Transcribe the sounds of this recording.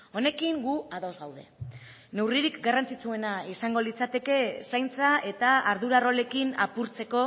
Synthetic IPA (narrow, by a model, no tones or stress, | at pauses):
o̞ne̞kiŋɡuaðo̞zɣawðe̞ | ne̞wriɾikɡarant͡sit͡sue̞naisaŋɡo̞lit͡sat̪e̞ke̞sajnt͡sae̞t̪aːɾðuɾaro̞le̞kina̰puɾt͡se̞ko̞